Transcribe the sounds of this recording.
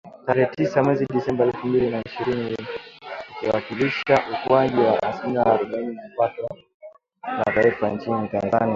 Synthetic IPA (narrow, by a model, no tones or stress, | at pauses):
taɾɛːtisamwɛziɗisɛmbaɛlfumbilinaiʃiɾini | ukiwakiliʃaʔukuwaʄiwaʔasilimiaaɾuɓainimipatɔ | na̰taifant͡ʃinitanzani